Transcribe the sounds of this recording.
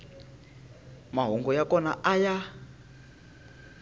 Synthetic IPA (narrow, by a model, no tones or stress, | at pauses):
maɦɔŋɡɔjakɔnaʔaja